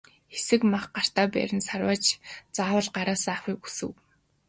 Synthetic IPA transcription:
xesɘ̆kmaχɢar̥t̪aːpæ̰ɾʲɪ̆nsarwaːt͡ɕt͡saːwə̆ɮɢaɾaːsaaxiːku̥sɘ̆w

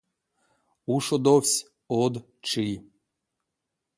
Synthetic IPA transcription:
uʃod̪ofʲsʲ | od̪ | t͡ʃɨj

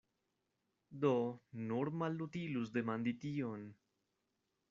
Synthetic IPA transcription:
d̪onoɾmalːut̪ilusd̪emãnd̪it̪ion

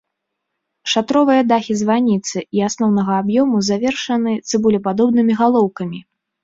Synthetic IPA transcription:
ʂat̪ɾɔvɨjɐd̪axʲizvanʲit̪sɨiasnɔwnɐɣɐːbjɔmuzavʲɛrʂɐnɨt̪sɨbulʲɛpad̪ɔbnɨmʲiɣalˠɔwkɐmʲi

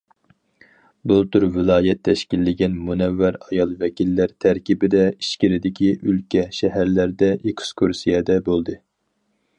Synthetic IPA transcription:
bulˠt̪ʰyɾvɪlˠɑːjɛt̪ʰːɛʃkʲilːɪɡʲɛnmunɛvːæɾɑjɑlˠvɛkʲilːæɾt̪ʰæɾkʲibɪd̪ɛiʃkʲiɾɪd̪ɪkʲʰiʔylkʲɛʃɛɦæɾlæɾd̪ɛʔekskʰuɾsijɛd̪ɛbolˠd̪ɨ

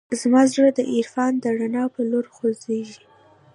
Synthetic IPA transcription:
zmɑzɽəd̪əʔɪɾfɑnd̪əɽanɑpəloɾxozeʒi

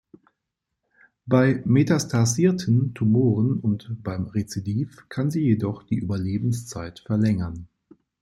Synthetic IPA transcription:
b̥aɪmetastʰaziːɐtʰən̩tʰumoːʁənʊntb̥aɪmʁet͡sidiːfkʰanziːjedɔχd̥iːʔyːbɐleːbn̩st͡saɪtfɛɐlɛŋɐn

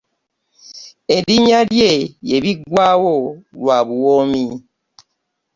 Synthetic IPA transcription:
ediɲaljejeβiɡwawolwaβuwomi

